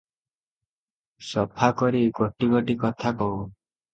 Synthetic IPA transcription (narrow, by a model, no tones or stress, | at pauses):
sɔpʰakɔɾiɡɔʈiɡɔʈikɔt̪ʰakɔw